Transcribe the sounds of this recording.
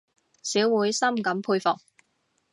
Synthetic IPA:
siː˨˥wwuː˨˥jsɐ˥mkɐ˨˧˥mpʰuː˧jfʊ˨k̚

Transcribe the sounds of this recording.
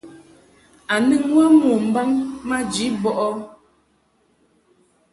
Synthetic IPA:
a˨nɨ˦˨ŋwa˦mu˨m̩˨ba˦ŋma˦d͡ʒi˨˦bɔ˦ʔɔ˦

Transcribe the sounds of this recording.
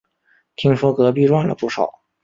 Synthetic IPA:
t̪ʰi˥ŋʂwɔ˥kɤ˧˥pi˥˧ɻwa˥˩nlə̰˩pu˥˩ʂɑ̰˨˩˦ʊ

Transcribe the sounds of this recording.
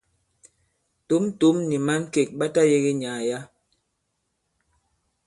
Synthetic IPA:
to˨˦m˦tu˨˦mni˨ma˦n̩˦ke˨k̚ɓa˦ta˦je˦ɣe˦ɲaː˨ja˦

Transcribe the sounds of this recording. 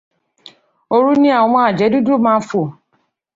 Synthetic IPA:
o˧ɾu˦nĩ˦ã˦˨ɔ̃˨˧wɔ̃˧a˨d͡ʒɛ˨˦du˦du˦˨mãː˦fo˦˨

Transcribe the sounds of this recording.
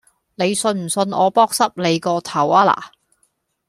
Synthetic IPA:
ne˨˧jsɵ˧nm̩˨˩sɵ˧nɔ̰ː˨˧pɔː˥k̚sɐ˥p̚le˨˧jkɔː˧t̪ʰɐ˨˩waː˥la̰ː˨˩

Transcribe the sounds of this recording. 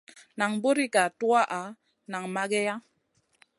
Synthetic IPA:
na˨ŋbo˦ɾi˦ka˨tu˦a˦ʔa˨˦ | na˨ŋma˦ɡɛ˦ja˦

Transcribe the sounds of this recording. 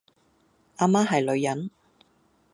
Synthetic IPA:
ʔaː˧˥maː˥ɦɐ˨jlɵ˨˧ɥjɐ˨˥n

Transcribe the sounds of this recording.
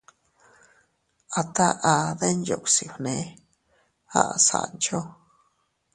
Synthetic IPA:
a˧t̪a˦ʔa˧ðe˦njo̰˨ʔʷsi˨hnẽ˨˦ | a̰˦˨ʔsa̰˨nt͡ʃo˦

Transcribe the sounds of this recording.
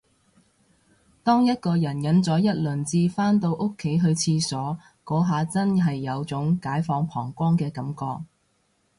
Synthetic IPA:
t̪ɔː˥ŋjɐ˥t̚kɔː˧jɐ˨˩njɐ˨˥nt͡sɔː˨˥jɐ˥t̚lɵ˨˩nt͡siː˧faː˥nt̪o˧wʔʊ˥kʰːe˨˥jɦɵ˧ɥt͡sʰiː˧sɔː˨˥ | kɔː˨˥ɦaː˨t͡sɐ˥nɦɐ˨jːɐ˨˧wt͡sʊ˨˥ŋkaː˨˥jfɔː˨˧ŋpʰɔː˨˩ŋkʷɔː˥ŋkɛː˧kɐ˨˥mkɔː˧k̚

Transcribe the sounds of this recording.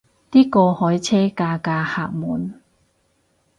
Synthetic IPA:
t̪iː˥kɔː˧hɔ˨˥jt͡sʰɛː˥kaː˧kaː˧ha̰ː˨˩k̚mṵ˨˩˦n

